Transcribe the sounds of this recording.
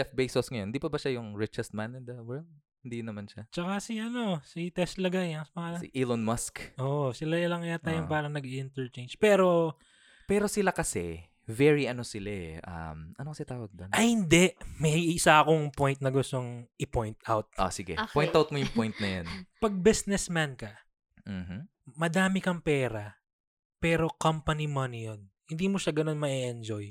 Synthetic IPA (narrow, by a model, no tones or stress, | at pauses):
ɛfbejsosŋɐjonhɪnd̪iːpɐbɐʃajʊŋɹɪt͡ʃɛst̪̚manɪnd̪ɐwɛɹld̪̚ | hɪnd̪inɐmanʃat͡ʃɐkasiʔɐno̞sit̪ɛst̪lɐɡajɐsmɐŋaːlɐ̰ʔilonmaskʔoʔsɪlalɐŋɐjat̪aːjoŋpaːɾɐŋnɐɡiʔɪnt̪ɛɹt͡ʃejnd͡ʒpɛːɾo̞ | pɛːɾo̞sɪlakɐsɛ | vɛɹiʔɐnosɪlaɛʔɐ̰mɐnokɐsɛt̪aːwɐɡ̚d̪onɐhɪnd̪ɛʔmɛjɪsaʔɐkoŋpojnt̪̚nɐɡʊst̪o̞ŋʔɪpojnt̪ʔawt̪̚ʔo̰sɪɡɛ̰poj̃nt̪awt̪̚mojʊŋpojnt̪nɐjonpɐɡ̚bɪsnɛsmankɐ | m̩ːm̩ | mɐd̪aːmɪkɐŋpɛːɾɐ | pɛːɾo̞kɐmpɐnimɐnijon | hɪnd̪iːmoʃaɡɐno̞nmɐʔɛʔɛnd͡ʒoj